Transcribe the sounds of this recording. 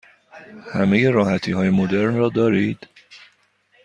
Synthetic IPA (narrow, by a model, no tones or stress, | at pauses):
hæme̞je̞ɾɒːhæt̪ʰiːɦɒːjemod̪e̞ɾnrɒːd̪ɒːɾiːd̪̥